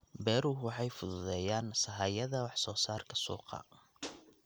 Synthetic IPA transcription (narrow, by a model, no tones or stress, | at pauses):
bɛːɾʊwɑħɑjfʊðʊðɛːjaːnsɐɦaːjɐðɐwɑħsɔːsaːrkʰɐsṵːqɑ̰